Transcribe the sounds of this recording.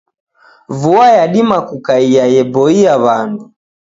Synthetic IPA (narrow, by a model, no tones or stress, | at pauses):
vuajaɗimakukaijajɛbɔiaβandu